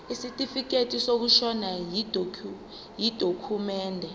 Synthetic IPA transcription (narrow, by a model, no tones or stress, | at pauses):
isitʼifik̬etʼisok̬uʃɔnai | jid̥ʱokʰumɛːndʱɛ